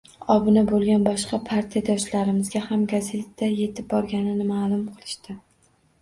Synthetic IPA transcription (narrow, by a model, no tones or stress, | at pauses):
ɒbɪnabolˠɡʲanbɒʃqɑpʰaɾt̪ʰijad̪ɒʃlaɾɪmɪzɡʲahamɡaze̞t̪ːaje̞t̪ʰɪp̚bɒɾɡʲanɪnɪmaːlˠʊmqʰɨlˠɪʃt̪ɪ